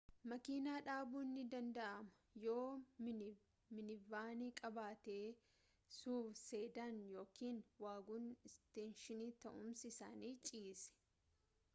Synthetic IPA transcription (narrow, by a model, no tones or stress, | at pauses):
mɐkiːnaːᶑaːbuːnːɪd̪ɐnd̪ɐʔɐmɐ̥jo̞ː | mɪnɪvaːniːkʼɐbaːt̪eː | suːfseːd̪aːnjo̞ːkiːnwaːɡuːnɪst̪eːnʃɪniːt̪ɐʔʊmsɪsa̰ːniːt͡ʃʼiːsɛ̥